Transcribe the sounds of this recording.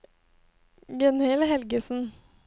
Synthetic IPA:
ɡɛnhɪlɦɛlɡəsn̩

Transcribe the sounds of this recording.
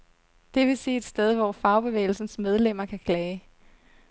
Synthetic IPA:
d̥e̝ʋe̝seːed̥sd̥eð̞ˠʋɒfɑ̈ʊb̥e̝ʋḛːɪl̩sn̩smeð̞ˠlem̰ɐkʰækʰlɛːɪ

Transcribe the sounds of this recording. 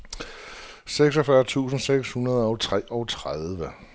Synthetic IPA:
seɡ̥s̬ɒfɶɐt͡sʰṵːsn̩seɡ̥shunɐð̞ˠɒ̽ʊt͡sʰʁɛ̰ːɒ̽ʊt͡sʰʁaðˠʋə

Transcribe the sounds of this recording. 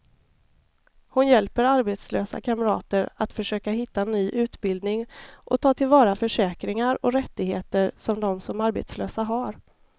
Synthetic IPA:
hʊnjɛlpəɾaɾbet̪sløːsa̰kʰaməɾɑ̰ːt̪əɾat̪fœʂøːkaɦɪt̪ːanyːʔʉ̟ːt̪bɪld̪nɪŋʔɔ̰t̪ʰɑːt̪ʰɪlvɑːɾafœʂɛːkɾɪŋaɾɔɾɛt̪ːɪɡheːt̪əɾsɔmd̪ɔmsɔmaɾbḛt̪slø̰ːsaɦaɾ

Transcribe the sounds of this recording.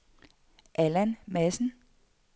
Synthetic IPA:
ʔælænmæsn̩

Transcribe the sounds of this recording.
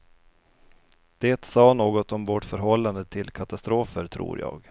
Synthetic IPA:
d̪̥eːt̪sɑːnoːɡɔt̪ɔmvɔʈfœɾɦɔlːand̪ət̪ʰɪlkʰat̪ast̪ɾoːfəɾt̪ʰɾṵːɾjɑ̰ːɡ

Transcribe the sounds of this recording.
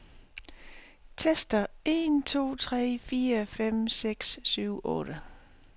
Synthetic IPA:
t͡sʰesd̥ɐe̝̰nt͡sʰo̝̰ːt͡sʰʁɛ̰ːfiːɐfem̰seɡ̥sːyʊ̰ʔɔ̽ːɾ̥ə

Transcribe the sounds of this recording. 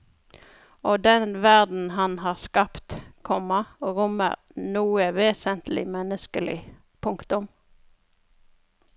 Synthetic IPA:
oːd̪ɛnʋæʁd̪n̩hɑnhɑːʁskɑpt̪kʰɔmɑʁʊmə̰ʁ | nuːəʋeːsənt̪lɪ̰mɛnəskəlɪ̰ | pʰʊŋkt̪ʊm

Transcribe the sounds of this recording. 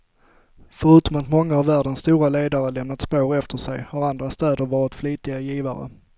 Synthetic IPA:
fœɾʉ̟ːt̪ɔmat̪mɔŋːahavvæːɖənsːt̪uːɾaleːd̪aɾəlɛmnat̪spoːɾɛft̪ʰəʂɛjhaɾand̪ɾast̪ɛːd̪əɾvɑːɾɪt̪fliːt̪ɪɡajiːvaɾə̰

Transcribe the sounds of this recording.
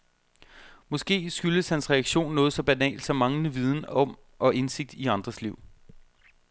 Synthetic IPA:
mɒ̽sɡ̥e̝̰ːsɡ̥yl̥əshænsʁɛæɡ̥ɕo̝̰ːnːɔːð̞̩ˠsɒ̽b̥ænɛ̰ːld̥sɒ̽mːɑ̈ŋnəʋið̞ˠn̩ɒ̽m | ʔɒ̽ʔe̝nse̝ɡ̥̚d̥iɑ̈nd̥ʁɐsliʊ̰

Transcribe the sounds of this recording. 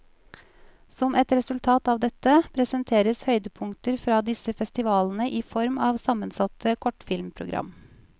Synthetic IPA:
sɔmɛt̪ɾɛsʉlt̪ʰɑːt̪ɑːʋd̪ɛt̪əpʰɾɛsənt̪ʰeːɾəshœʏd̪əpʰʊŋt̪əɾfɾɑːd̪ɪsəfɛst̪ɪʋɑːln̩əʔiːfɔɾmɑːʋsɑmənsɑt̪ʰəkʰɔʈfɪlmpʰɾʊɡɾʔɑ̰m

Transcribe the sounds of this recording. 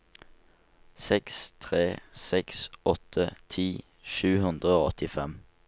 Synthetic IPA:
sɛkst̪ʰʁeːsɛksɔt̪ʰət̪ʰiː | ʃʉːhʉnd̪ʁəoːɔ̰t̪ʰɪfɛm

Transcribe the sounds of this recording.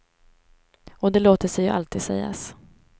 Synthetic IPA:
ɔd̪ɛloːt̪əʂɛjɵʔa̰lt̪ʰiːd̪̥sɛ̰jːa̰s

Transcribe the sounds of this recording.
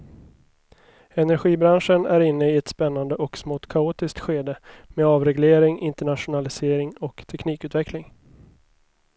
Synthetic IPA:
ɛnæɾɧiːbɾanʂənæɾɪnːəɪɛt̪spɛnːand̪əʔɔksmoːt̪kʰauːt̪ɪskt̪ɧeːd̪əmeːɑːvɾɛɡleːɾɪŋʔɪnt̪əɳat̪ʂʊnalɪseːɾɪŋɔkt̪ʰɛkniːkʉ̟t̪vɛklɪŋ

